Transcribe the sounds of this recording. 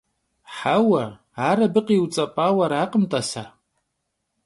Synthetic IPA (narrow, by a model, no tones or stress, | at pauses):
ħawa | aɾabɨqʼiwt͡sʼapʼawaɾaːqʼəmtʼasa